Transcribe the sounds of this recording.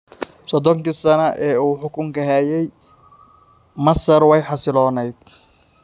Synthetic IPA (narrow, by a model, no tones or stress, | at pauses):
sɔd̪ɔŋkisɐnɐʔɛːuːħʊkʊŋkɐɦajɛj | mɐsɐrwɛjħɑsɪlɔːnɛjd̪̥